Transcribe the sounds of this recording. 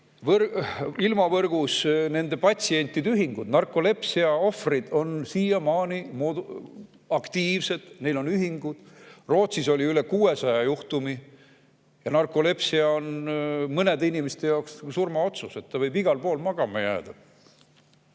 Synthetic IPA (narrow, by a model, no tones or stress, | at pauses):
vrilmɑvɤrɡ̥usne̞nd̪e̞pɑt̪ʲsie̞nʲt̪ːˑid̪yɦiŋɡ̥ud̪nɑrkˑo̞le̞psiɑo̞frid̪̥o̞nsiːjɑmɑːnʲimoːd̪ | ɑkt̪iːvse̞d̪̥ne̞jlo̞nyɦiŋɡ̥ud̪̥ | ro̞ːt̪siso̞lʲiyle̞kuːe̞sɑjɑjuht̪umi | jɑnɑrkˑole̞psiɑo̞nmɤne̞d̪inimest̪e̞jɑokssurmɑo̞t̪suse̞t̪ːɑvɤjbiɡ̥ɑlpo̞ːlmɑɡ̥ɑmɑjæ̰ːd̪̥ɑ